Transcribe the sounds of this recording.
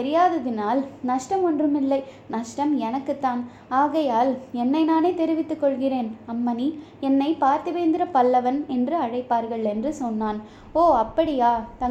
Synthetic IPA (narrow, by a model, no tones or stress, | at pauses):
ɛɾɪjaːðɐðɪnaːlnɐʂʈɐmɔndrɯmɪlːɐɪ | nɐʂʈɐmɛnɐkːɯt̪ːaːn | aːɣɐjaːlɛnːɐɪnaːneːt̪ɛɾɪʋɪt̪ːɯkːɔɭɣɪreːnɐmːɐni | ɛnːɐɪpaːɾt̪ɯʋeːnd̪ɪɾɐpɐlːɐʋɐnɛndrɯɐɻɐɪpːaːɾɣɐɭɛndrɯsɔnːaːn | oːɐpːɐɽɪjaːt̪ɐŋ